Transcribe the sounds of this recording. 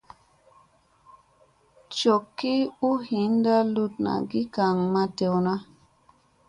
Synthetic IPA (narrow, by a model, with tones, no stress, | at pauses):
t͡ʃo˨kːi˦u˦hi˨˦nda˦lu˦t̚na̰˨ɡi˦ka˨ŋma˦tɛ˨wna˦